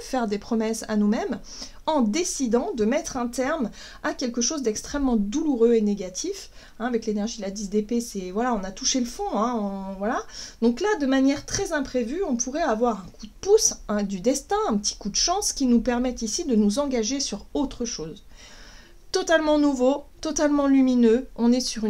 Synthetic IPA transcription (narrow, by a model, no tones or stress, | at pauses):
fɛʁd̪epχɔmɛsa̰numɛm | ɑ̃d̪esid̪ɑ̃d̪əmɛt̪χɛ̃t̪ɛʁm | akʲɛlkəʃozd̪ɛkst̪χɛmːɑ̃d̪uluʁøeneɡʲat̪ʰif | ɛ̃avɛklenɛʁʒid̪lad̪izd̪epesɛvwalaɔ̃nat̪uʃeləfɔ̃ɛ̃ɔ̃vwalad̪ɔ̃klad̪əmanjɛʁt̪χɛzɛ̃pχevyɔ̃pʰuʁɛavwaʁɛ̃kud̪əpusɛ̃d̪yd̪ɛst̪ɛ̃ɛ̃pət̪i̥kud̪əʃɑ̃skʲinupɛʁmɛt̪isid̪ənuzɑ̃ɡaʒesyʁot̪χəʃoːz | t̪ɔt̪almɑ̃nuvot̪ɔt̪almɑ̃lyminøɔ̃nɛsyʁ